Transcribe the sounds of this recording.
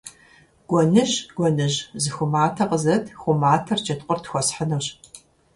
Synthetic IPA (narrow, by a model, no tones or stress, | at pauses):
ɡ̥ʷɔnɨʑɡ̥ʷɔnɨʑzɨxʷʊmaːtʰɐqəzɐtʰxʷʊmaːtʰɐrt͡ʃɐtqʷʼʊrtʰxʷɔsħənɐwɕ